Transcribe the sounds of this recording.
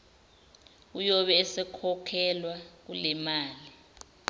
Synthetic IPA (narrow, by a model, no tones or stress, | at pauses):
ujɔɓɛːsɛkʰɔkʰɛlwak̬ulɛmaːli